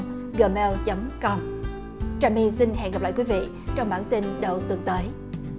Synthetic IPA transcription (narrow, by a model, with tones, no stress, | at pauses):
ɣəː˧˩mɛ˧lt͡ɕə˨˦ŋ͡mkə˧wŋ͡m | t͡ɕaː˧˩mi˧si˧nɦɛ̰˧˨nŋɣp̚la̰ː˧˨jkwi˨˦vḭ˧˨ | t͡ɕɔ˧wŋ͡mɓaː˧˩nt̪i˧nɗə˨˩wt̪ɨ˧ŋt̪əː˨˦j